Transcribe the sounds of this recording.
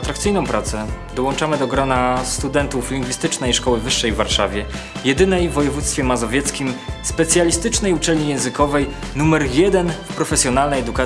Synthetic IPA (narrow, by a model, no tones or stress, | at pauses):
at̪ɾak̚t̪sɘjnɔ̃w̃pɾat̪sɛ | d̪ɔwɔnt͡ʂamɘd̪ɔɡɾɔnast̪ud̪ɛnt̪uflʲiŋɡvʲist̪ɘt͡ʂnɛjʂkɔwɘvɘʂːɛjvːaɾʂa̰vʲjɛjɛd̪ɘnɛjvːɔjɛvut̪st̪fʲjɛmazɔvʲjɛt̪skʲimspɛt̪sʲjalʲist̪ɘt͡ʂnɛjut͡ʂɛlɲijɛ̃w̃zɘkɔvɛjnumɛɾjɛd̪ɛnfpɾɔfɛsʲjɔnalnɛjɛd̪uka